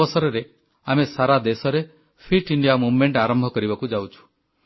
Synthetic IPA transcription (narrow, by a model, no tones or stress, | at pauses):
ɔsɔɾɔɾe | amesaɾad̪esɔɾe | pʰiʈiɳɖijamubmeɳʈaɾɔmbʱɔkɔɾibakud͡ʒawt͡ʃʰu̥